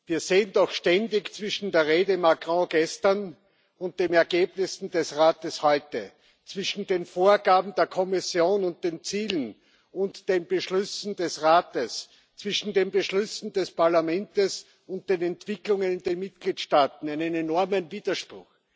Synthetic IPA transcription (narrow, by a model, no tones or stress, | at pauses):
viːɐzeːəndɔxʃtɛndɪçt͡sv̥ɪʃn̩deːɐʁeːdəmakʁɔ̃ɡ̥ɛstɐn | ʊnt̚d̥eːnɛɐɡ̥eːbnɪsn̩dɛsʁaːtəshɔʏtə | t͡sv̥ɪʃn̩deːnfoːɐɡaːbm̩d̥eːɐkʰɔmɪsjoːnʊnt̚d̥eːnt͡siːlən̩ | ʊ̃ntd̥eːnb̥əʃlʏsn̩d̥ɛsʁaːtəs | t͡sv̥ɪʃn̩deːnbəʃlʏsn̩dɛspʰaɐlamɛntəs | ʊnt̚d̥eːnɛntv̥ɪklʊŋənɪndeːnmɪt̚ɡ̥liːtʃtaːtn̩æɪnənenɔɐmənviːdɐʃpʁʊ̰x